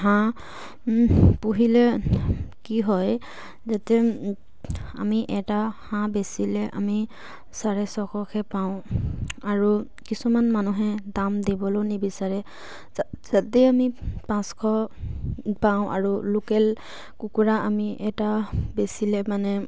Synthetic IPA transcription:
ɦã | puɦilɛ | kiɦɔj | zatɛ | a̰miʔɛtahãbesilɛʔa̰mi | saɹɛsɔkʰɔkʰɛpaʊ̃aɹu | kisumanmanuɦɛdamdibɔlonibisaɹɛ | zatɛamipãskʰɔ | paʊ̃ʔa̰ɹulukɛl | kukuɹaʔamiʔɛtabesilɛmanɛ

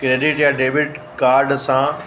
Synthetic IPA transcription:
kɾeːɗɪʈjaɖeːʋɪʈkaːɾɖsã

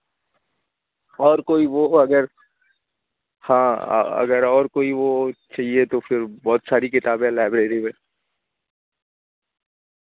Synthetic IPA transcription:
ɔːɾkoːiʋoɐɡəɾ | hã̰ːɐ̰ɡəɾɔːɾkoːiʋot͡ʃaːɦiet̪ofʰɪɾbɔːt̪saːɾikɪt̪aːbɛ̃laːɪbɾeːɾimẽː

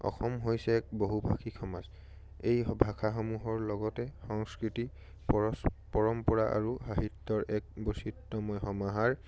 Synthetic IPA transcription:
ɔ̰xɔmɦojsɛːk̚boɦubʱaxʰikʰɔma̰z | ejbʱakʰaxɔmuɦɔɹlɔɡɔtɛxɔŋskɹiti | pɔspɔɹɔmpɔɹaʔa̰ɹuɦaɦitːɔɹʔɛk̚bositːɔmɔjxɔmaɦaɹ

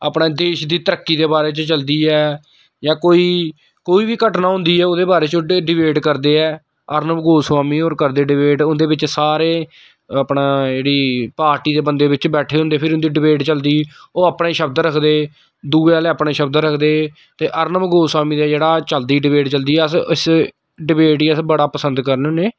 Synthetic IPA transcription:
aːpɳeːd̪eːʃd̪iːt̪əɾəkːiːd̪eːbaːɾeːt͡ʃt͡ʃəld̪iːɛː | jãːkoːiː | koːiːbiːkəʈnãːɦʊ̃nd̪iːɛːoːd̪eːbaːɾeːt͡ʃoɖɪbeːʈkəɾd̪eːɛː | əɾnəmɡoːswaːmiːoːɾkəɾd̪eːɖɪbeːʈʊnd̪eːbɪt͡ʃsaːɾeː | əpnaːd͡ʒeːɽiːpaːɾʈiːd̪eːbənd̪eːbɪt͡ʃbɛːʈʰeːɦʊ̃nd̪eːpʰɪɾʊ̃nd̪iːɖɪbeːʈt͡ʃəld̪iːoːəpɳẽːʃəbd̪ɾəkʰd̪eː | d̪uːealeːəpɽɳeːʃəbd̪ɾəkʰd̪eː | t̪eːʔəɾnəmɡoːswaːmiːd̪aːd͡ʒeːɽaːt͡ʃəld̪iːɖɪbeːʈt͡ʃəld̪iːɛːəsɪs | ɖɪbeːʈiːəsbəɽaːpəsə̃nd̪kəɾnʊneː

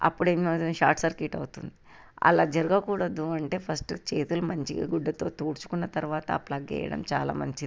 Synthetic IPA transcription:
ɐ̰pːuɽeːmnoːt̪ʃa̰ːɾʈsɐɾkiʈɐwut̪und̪i | ɐ̰laːd͡ʒɐɾuɡɐkuːɽɐd̪ːuɐɳʈe̞ːpʰɐsʈt͡ʃe̞ːt̪ulumɐɲt͡ʃiɡuɖːɐt̪o̞ːt̪uːɾt͡ʃu̥kunːɐt̪ɐɾuʋaːt̪ɐ̰plɐɡɛ̰ːjɐ̰ɽɐ̰mt͡ʃaːla̰ːmɐɲt͡ʃi

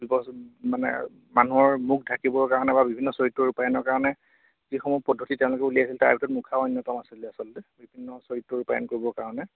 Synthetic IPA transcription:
bibɔsmanɛ̰ | manuɔɹmuk̚ʰdʱakibɔɹkaɹɔnɛbabibʱinːɔsoɹitːɔɹupajɔnɔɹkaɹɔnɛ | zixɔmupɔdʱːotitɛ̃ʊ̃lʊkɛuliasilta̰ɹbitɔtmukʰaɔjnjɔtɔmasilɛasɔlɔtɛbibʱinːɔsoɹitːɔɹupajɔ̰nkoɹibɔkaɹɔnɛ

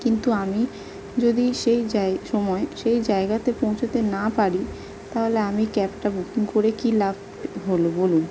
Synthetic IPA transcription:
kint̪uami | d͡ʑod̪iʃejaʃɔmɔeʃejd͡ʑaeɡat̪epõw̃t͡ɕʰot̪enapaɽi | t̪aɦoleamikɛpʈabukiŋkoɾekilab̚ʱ | ɦolobolun

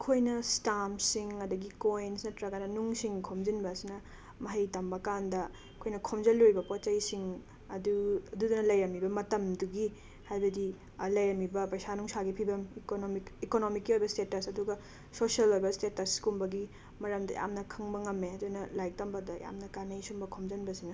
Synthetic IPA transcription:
kʰojnɐstamsiŋɐdɐɡikoinsnɐtɾɐɡɐnɐnuŋsiŋkʰomzinbɐsinɐ | mɐɦɐjtɐmbɐkandɐ | kʰojnɐkʰomzɐlojbɐpot͡ʃɐjsiŋ | ɐduɐdudunɐlɐjɾɐmːibɐmɐtɐmduɡi | hajbɐdi | lɐjɾɐmːibɐpɾɐsanuŋsaɡipʰibɐmikonomikikonomikːiojbɐstetɐsɐduɡɐ | sosiɐlojbɐstetɐskumbɐɡi | mɐɾɐmdɐ̰ja̰mnɐkʰɯŋbɐŋɐmːeɐdunɐlajk̚tɐmbɐdɐja̰mnɐkanɐjsumbɐkʰomzɐnbɐsinɐ

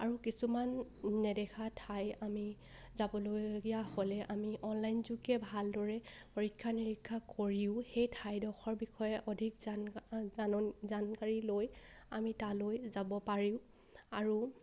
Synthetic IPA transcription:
aɹukisumanːɛdɛkʰatʰajami | zabɔloɡijaholɛʔamiʔɔnlajnzukɛbʱaldɔɹɛ | pɔɹikʰːaniɹikʰːakoɹiʊxejtʰajdɔxɔɹbixʰɔjɛʔɔdʱik | zankaɹiloj | a̰mitalojzabɔpaɹiʊ̃ | aɹu

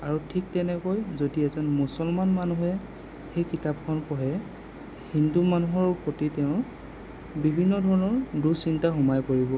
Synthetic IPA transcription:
aɹutʰik̚tɛnɛkɔjzodiɛzɔnmusɔlmanmanuɦɛ | xejkitap̚kʰɔnkɔɦɛ | hindumanuɦɔɹpotitɛʊ̃ | bibʱinːɔdʱɔɹɔnɔɹdusintaxumajkoɹibɔ

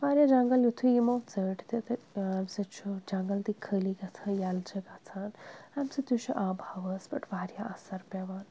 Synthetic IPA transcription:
ʋaːɾʲjad͡ʒaŋɡɐljut̪ʰujimɐwt͡səʈʰt̪et̪ɐamsɨt͡ʃʰud͡ʒaŋɡɐlt̪ikʰəliɡat͡sʰɐjalt͡ʃʰɐɡat͡sʰaːnamsɨt̪jut͡ʃʰuʔaːbʱaʋəsbɐʈʰʋaːɾjaʔɐsɐɾpɛʋaːn

